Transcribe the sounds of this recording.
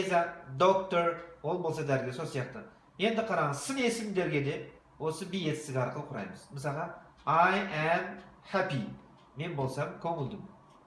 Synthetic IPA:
ezɑd̪ok̚t̪oɾwo̞lˠbolˠsɑd̪æɾɡʲeso̞lsijɑqt̪ə | je̞nd̪ɪqʰɑɾɑɴəzsɪne̞sɪmd̪eɾɡʲe̞d̪e̞ | wo̞səbije̞t̪ɪst̪ɪɡʲɑɾqəlˠəqʰʊɾɑ̰jməzməs̬ɑlˠʁɑ | ajæmhapi | me̞nbo̞lˠsɑmkʲʰɵŋɪlˠd̪ɪm

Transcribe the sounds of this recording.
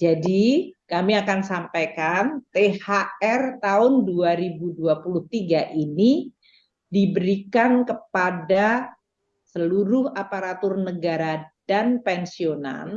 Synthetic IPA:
d͡ʒadikamiakansampajkant̪ehaɛrt̪aʊnduaɾibuduapulʊht̪iɡaʔini | dibəɾikankəpada | səluɾʊhapaɾat̪ʊrnəɡaɾad̥anpɛnsiona̰n

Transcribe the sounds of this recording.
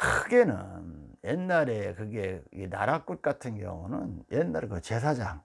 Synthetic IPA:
kʰɯɯɡe̞nɯ̰njenːaɾe̞kɯɡe̞ina̰ɾak͈̚ut̚k͈atʰɯnkjʌ̰ŋunɯnjenːaɾkɯt͡ɕe̞sʰad͡ʑaŋ

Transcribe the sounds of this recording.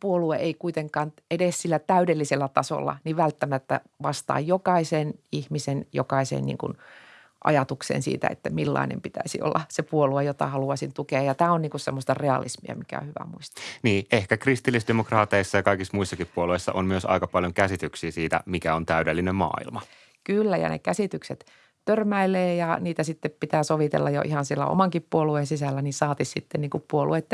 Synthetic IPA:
puolueʔeikuit̪eŋkɑːnedessilːæt̪æydelːiselːæt̪ɑso̰lːɑ̰niʋʋælt̪ːæmæt̪ːæ̰ | ʋɑst̪ɑ̰ːjjokɑiseːnihmisenjo̰kɑisḛːnnḭŋkṵn | ʔɑ̰jɑt̪uksḛːnsḭːt̪æ̰ḛt̪ːæmilːɑ̰inḛmpit̪æ̰isḭo̰lːɑsepuoluejot̪ɑ̰hɑluɑsint̪ukeɑjɑt̪æːonniːŋkussemːost̪ɑreɑ̰lḭsmiɑ̰mikæ̰o̰hyʋæ̰muist̪niːʔehkækrist̪ilːisdemokrɑːt̪eisːɑjɑkɑikismuisːɑkippuoluesːɑ̰ʔommyøsɑ̰ikɑpɑljoŋkæsit̪yksiːsiːt̪æ̰mikæont̪æydelːinemmɑ̰ːḭlmɑ | kylːæjɑ̰nḛkæsit̪ykset̪ | t̪ørmæileːjɑniːt̪æsit̪ːeppit̪æːsoʋit̪ḛlːɑjo̰ʔihɑnsilːæ̰o̰mɑŋkippuoluensisælːæninsɑːt̪issit̪ːenniːŋkuppuoluet̪ːe

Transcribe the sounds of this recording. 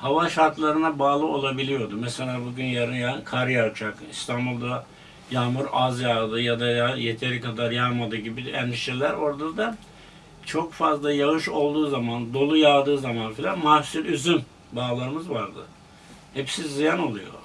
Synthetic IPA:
havaʃaɾt̪lˠaɾɯnabaːlˠɯʔo̞lˠabilʲijo̞d̪umese̞lʲaːbuɟʲynjaɾɯnjakʰaɾjat͡ʃʰakist̪ʰanbulˠd̪a | jaːmuɾazjad̪ɯjad̪aajet̪ʰeɾikad̪aɾjamad̪ɯːɟibid̪ænd̪iʃelʲæɾo̞ɾd̪ad̪a | t͡ʃʰo̞kfazlˠajaɣɯʃo̞lˠd̪uːzamand̪o̞lˠujad̪ɯːzamanfilʲanmasyɾʲyzyn | baːlˠaɾɯmɯzvaɾd̪ɯ̰ | hɛpsizijano̞lˠujo̞̰

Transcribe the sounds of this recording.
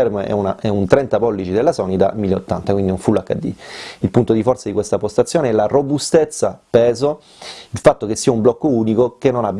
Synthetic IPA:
ɛrmoɛ̰una̰ɛunt̪ɾɛnt̪apɔlːit͡ʃid̪elːasɔnit̪a̰mːilːeo̰t̪ːant̪akwind̪inoɱfulakːa̰d̪ːḭilpunt̪od̪ifɔrt̪sad̪ikwest̪apost̪at̪sːjoːneɛlarobust̪et̪sːapɛːzo | ilfat̪ːokesːiːaumblɔkːouːnikokenːonabː

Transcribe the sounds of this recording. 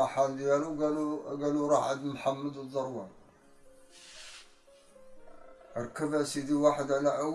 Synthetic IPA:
ɑħald̪jæluɡæuɡæluɾˤɑħʕad̪mħamːəd̪əd̪ˤːɑɾˤwɑn | əɾkːəbæsid̪iwaħəd̪ʕlæʔəwː

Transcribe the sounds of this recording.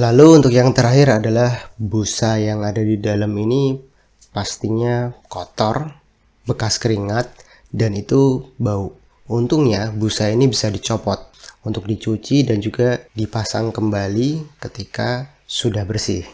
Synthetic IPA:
laluːnt̪ʊkjaŋt̪əɾaɦɪɾadalahbusajaŋadadidalamini | past̪iɲakɔt̪ɔr | bəkaskəɾiŋat̪̚ | danit̪ubau | unt̪ʊŋɲabusainibisadit͡ʃopɔt̪̚unt̪ʊk̚dit͡ʃut͡ʃidand͡ʒuɡadipasaŋkəmbalikət̪ika | sudahbərsɪ̰h

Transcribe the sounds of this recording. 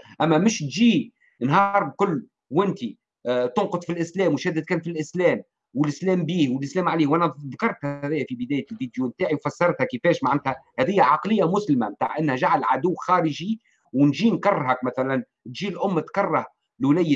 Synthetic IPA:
ʔæmːæmɪʃt̪ʒiː | nɦɑːɾˤlkʊlː | wʔɪnt̪i | t̪ʊnqʊd̪ˤfilʔɪslɛːmwʃæːd̪ːəd̪̚kæːnfilʔɪslɛːm | wəlʔɪslɛːmbiːhwɪlʔɪslɛːmʕaliːhwʔænæðkɑɾˤt̪hæðæːjːæfibɪd̪æːjælviːd̪jumt̪aːʕiwfɑsːɑɾˤt̪hækəfɛːʃmaʕnæt̪hæhæðɪjːæʕɑqlɪjːamʊslɪmæmt̪aːʕʔɪnːhæʒaʕalʕa̰d̪ʊwːxɑːɾəʒi | wnʒiːnkɑrˤːɦækmæθælæn | t̪ʒiːlʔʊmːt̪kɑrˤːɑh | lwlæjː

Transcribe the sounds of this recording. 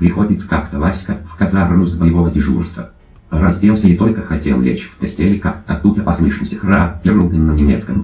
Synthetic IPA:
pɾʲɪxo̞dʲɪt̪kakt̪əvasʲkəfkɐzaruzvəjɪvo̞vədʲɪʐṵrst̪və̰ | rɐzʲdʲelˠsʲənʲɪt̪o̞lʲkəxɐtʲḛlˠɾʲḛt͡ɕfpɐsʲtʲelʲɪkakɐ̰t̪ːud̪əpɐslˠɨʂnʲəsʲɪxrapʲɪrolˠɡ̪ʲənʲnənʲɪmʲet̪skəm

